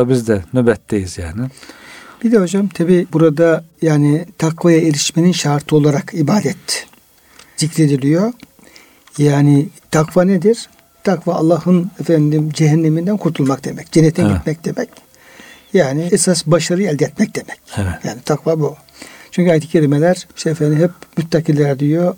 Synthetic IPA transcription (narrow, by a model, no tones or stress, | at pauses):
abizd̪ɛnøbɛt̪ʰːejizja̰ːnɪb̥id̪ɛhod͡ʒamt̪ʰabiːbuɾad̪ajaːnit̪ʰakvajaeɾiʃmeninʃaɾt̪ʰɯo̞lˠaɾakʰibaːd̪ɛt̪ | z̥icɾe̞d̪ilʲijo | jaːnɪt̪ʰakvaned̪iɾ̥ | t̪ʰakva̰ːlˠːahɯnefænd̪imd͡ʒeɦɛnːemind̪ænkʰuɾt̪ʰulˠmakd̪e̞mɛc̚d͡ʒenːet̪ʰinɟit̪̚mɛc̚d̪emɛc | jaːniesasbaʃaɾɯɛlʲd̪jɛt̪̚mɛc̚d̪emɛcjaːnit̪ʰakvabu | t͡ʃʰyɲcyajt̪ʰɯ̥cʰelʲimelʲæɾ̥ʃeefænd̪imɦɛpmyt̪ːakilʲæɾd̪ijo